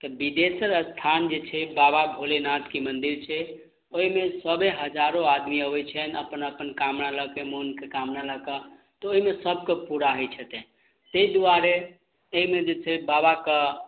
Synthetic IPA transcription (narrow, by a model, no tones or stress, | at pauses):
t̪ɔbid̪esəɾəst̪ʰand͡ʒet͡ʃʰɛbababʱolenat̪kimənd̪iɾt͡ʃʰɛ | oɦimesəbʱeɦəd͡ʒaɾoad̪miəbɛt͡ʃʰɛnəpənəpənkamnaləkemonkekamnaləkə | t̪ɔoɦimesəb̚kepuɾaɦɛt͡ʃʰət̪ɛ̃ | seid̪uaɾe | əɦimed͡ʒet͡ʃʰɛbabakə